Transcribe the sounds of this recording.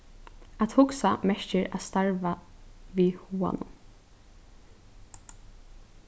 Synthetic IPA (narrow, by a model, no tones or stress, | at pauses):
at̪hʊksamɛʃt͡ʃɪɾa̰st̪aɹvaʋiːhuːa̰nʊ̰n